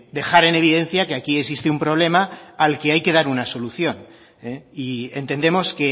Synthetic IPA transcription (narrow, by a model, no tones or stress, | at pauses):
d̪e̞xaɾe̞ne̞β̞iðe̞nθjake̞akie̞ksist̪eumpɾo̞β̞le̞maːlke̞ajke̞ð̞aɾunaso̞luθjo̞n | eie̞̰nt̪e̞nd̪e̞mo̞ske